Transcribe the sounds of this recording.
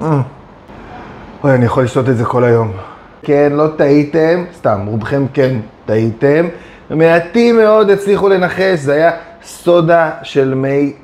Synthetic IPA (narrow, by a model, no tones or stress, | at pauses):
ojanijaχolːiʃto̞t̪̬etzeko̞lajo̞m | kenlo̞taitemst̪amʁubχe̞mke̞nt̪aite̞m | vemeat̪ime̞o̞d̪et͡sliχule̞naχe̞ʃzeaja | so̞daʃe̞lmej